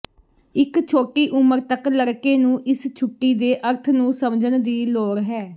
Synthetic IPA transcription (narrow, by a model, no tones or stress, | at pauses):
ɪkt͡ʃʰoːʈiːʔʊməɾt̪əkləɾkeːnũːʔɪst͡ʃʰʊʈːiːd̪eːʔəɾt̪ʰnũːsəmd͡ʒənd̪iːloːɾɦɛː